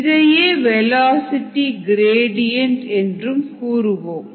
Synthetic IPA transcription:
ðɐjeːʋɛlaːsɪʈːiɡɾeːɽɪjɐɳʈɛndrɯmkuːɾɯʋoːm

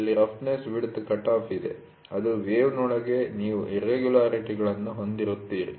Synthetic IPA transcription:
lːiɾɐpʰnesʋiɽut̪ːukɐʈaːpʰid̪e̞̰ | ɐd̪uʋeːʋnɔːɭɐɡe̞niːʋuʔiɾeɡjulaːɾiʈiɡɐɭɐnːuɦo̞nd̪iɾut̪ːiːɾḭ

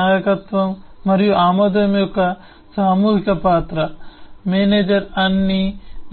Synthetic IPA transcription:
aːjɐkɐt̪ʋɐmːɐɾijuʔaːmɐd̪ɐmjukɐ | saːmuːɦikɐpaːt̪ɾɐmeːneːd͡ʒɐɾɐnːin

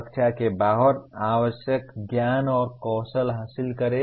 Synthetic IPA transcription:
kt͡ʃʰakebaːɦəɾaːwəsjəkɡjaːnɔːɾkɔːsəlɦaːsɪlkəɾe

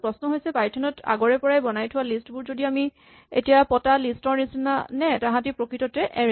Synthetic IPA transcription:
pɹɔsnɔɦojsɛpajtʰɔnɔta̰ɡɔɹɛpɔɹajbɔnajtʰʊwalistbʊɹzodiami | ḛtijapɔtalistɔɹnisina̰nɛtãɦãtipɹokɹitɔtɛʔɛ

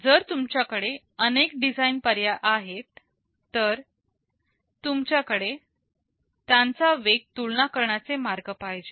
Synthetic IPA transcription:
d͡zəɾt̪umt͡ɕjakəɽe | ənekɖid͡zainpəɾjaʔaɦet̪ː | əɾ | t̪umt͡ɕjakəɽe | t̪jãnt͡saʋeɡ̚t̪uɭnakəɾɳat͡semaɾɡəpajd͡ʑe

